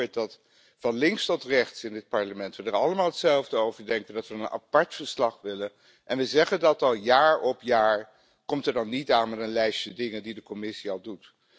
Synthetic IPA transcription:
t̚dɑt | fɑnlɪŋstɔtrɛχtsɪndɪt̚pɑɹləmɛntʋədəɹɑlˠəmaːlˠɦətsɛlˠvdəowvəɹdɛŋkəndɑtʋənəna̰pɑɹtfəɹslɑχʋɪlə | ʔɛnʋəzɛχəndɑtɑlˠjaːɹɔpjaːɹ | kɔmtəɹdɑnːitaːnmɛtənlɛjsədɪŋəndidəkɔmɪsiɑlˠdut

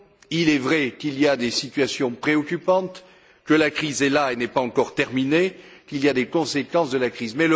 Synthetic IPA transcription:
ilɛvʁɛkiliad̪esit̪ɥasjɔ̃pχeɔkʲypɑ̃t̪ | kəlakχizɛlaenɛpaɑ̃kɔʁt̪ɛʁminekiliad̪ekɔ̃sekɑ̃sd̪əlakχizmɛlə

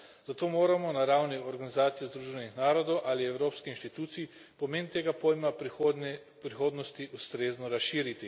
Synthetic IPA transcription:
z̥at̪oːmoːɾamɔnaɾawniɔɾɡanizaːt̪sijɛzd̪ɾuːʒɛnixnaːɾɔd̪ɔwʔaliɛwɾoːpskixinʃt̪it̪uːt̪sii | pɔmeːnt̪eːɡapojma | pɾixoːd̪nɔst̪iʔust̪ɾeːznɔɾasʃiːɾit̪i

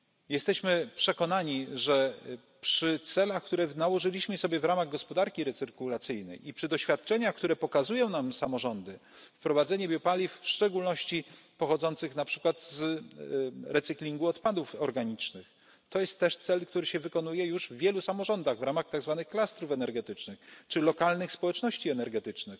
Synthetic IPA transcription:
jɛst̪ɛɕmɘpʂɛkɔnaɲiʐɛ | pʂɘt̪sɛlaxkt̪uɾɛnawɔʐɘlʲiɕmɘsɔbʲjɛvɾamaɣɡɔspɔd̪aɾkʲiɾɛt̪sɘɾkulat̪sɘjnɛ̰jipʂɘd̪ɔɕfʲjat̪̚t͡ʂɛɲaxk̚t̪uɾɛpɔkazujɔ̃w̃namsamɔʐɔnd̪ɘ | fpɾɔvad̪zɛɲɛbʲjɔpalʲifʂt͡ʂɛɡulnɔɕt͡ɕipɔxɔd̪zɔnt̪sɘxnapʂɘ̥kwat̪z | ɾɛt̪sɘklʲiŋɡuɔt̪pad̪ufɔɾɡaɲit͡ʂnɘx | t̪ɔjɛst̪ːɛʂt̪sɛlkt̪uɾɘɕɛvɘkɔn̪ujɛjuʐvvʲjɛlusamɔʐɔnd̪aɣvɾamaxt̪aɡzvanɘxklast̪ɾufɛnɛɾɡɛt̪ɘt͡ʂnɘxt͡ʂɘlɔkalnɘxspɔwɛt͡ʂnɔɕt͡ɕiɛnɛɾɡɛt̪ɘt͡ʂnɘx

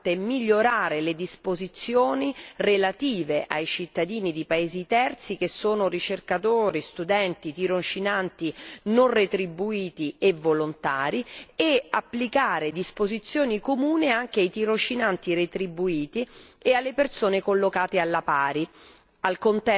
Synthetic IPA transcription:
t̪emiʎːoɾaːɾeled̪ispozit̪sːjoːnirelat̪iːveʔa̰jt͡ʃit̪ːad̪iːnid̪ipaeːzit̪ɛrt̪sik̟esːoːnorit͡ʃerkat̪oːɾist̪ud̪ɛnt̪it̪iɾont͡ʃinant̪inonret̪ɾibuiːt̪ievolont̪aːɾieapːlikaːɾed̪ispozit̪sːjoːnikomuːneaŋk̟eajt̪iɾot͡ʃːinant̪iɾet̪ɾibuiːt̪iealːepersoːnekolːokaːt̪ealːapaːɾi | alkont̪ɛ

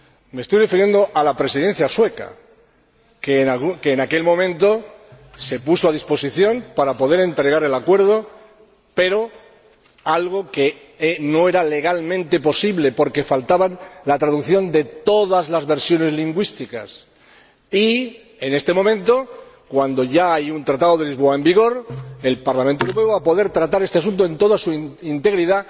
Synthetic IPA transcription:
mest̪ojrefiɾje̞nd̪o̞ʔalapɾe̞siðe̞n̟θjaswe̞ka̰ | keakeːnake̞lmõ̞mẽ̞nt̪o̞se̞pusoað̞ispo̞siθjo̞mpaɾapo̞ð̞e̞ɾe̞nt̪ɾe̞ɣ̞aɾe̞lakwe̞ɾð̞o̞ | pe̞ɾo̞ | alɣ̞o̞ke | no̞e̞ɾale̞ɣ̞almẽnt̪e̞po̞siβle̞po̞ɾke̞falt̪aβanlat̪ɾaðukθjo̞nd̪e̞t̪o̞ðazlazβe̞ɾsjo̞ne̞zliŋɡwist̪ika̰s | i | ene̞st̪e̞mõ̞mẽ̞nt̪o̞kwand̪o̞ʝaajunt̪ɾat̪aðo̞ðe̞lizβ̞o̞ae̞mbiɣ̞o̞ɾe̞lpaɾlamẽnt̪oewɾopeoβapo̞ðe̞ɾt̪ɾat̪aɾest̪easunt̪oe̞nt̪o̞ðasuint̪e̞ɣɾiða

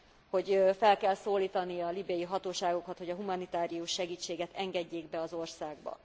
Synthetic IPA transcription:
ho̞ɟfɛlkɛlsoːlːiːt̪ɒnijɒlibɛjiɦɒt̪oːʃaːɡo̞kɒt̪ho̞ɟɒɦumɒnit̪aːɾijuʃːɛɡiːt͡ʃːeːɡɛt̪ʰɛŋɡɛɟːeːɡbɛɒzo̞rsaːɡ̚bɒ̰

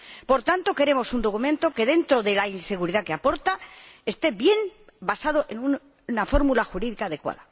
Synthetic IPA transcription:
po̞ɾt̪ant̪o̞ke̞ɾe̞mo̞sund̪o̞kumẽ̞nt̪o̞ke̞ðe̞nt̪ɾoðe̞lainse̞ɣ̞uɾiðakeapo̞ɾt̪aest̪e̞bje̞mbasað̞oʔe̞nun | nafo̞ɾmulaxuɾiðikaːðe̞kwa̰ða

